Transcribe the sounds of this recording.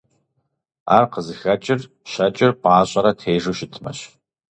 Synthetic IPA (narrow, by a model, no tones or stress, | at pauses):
a̰ːrqəzɨxɐt͡ʃʼɪr | ʃɐt͡ʃʼɪrpʼaːɕʼɐɾɐtʰeːʐɨʃɪtʰmɐ̰ɕ